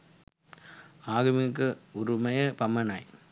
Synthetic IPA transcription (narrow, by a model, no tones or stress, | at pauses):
aːɣɯmɪkːɯɔɾɯmɐjɐpɐmːɐnaːj